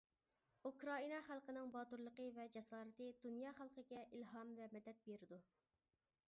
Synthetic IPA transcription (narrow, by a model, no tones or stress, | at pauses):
ukɾɑinɑχælˠqənɨŋbɑt̪uɾlˠəqəvɛd͡ʒɛsɑːɾɨt̪ɨd̪unjɑχælˠqəɡʲɛʔilɦɑmvɛmɛd̪ːɛt̪̚beɾɪd̪u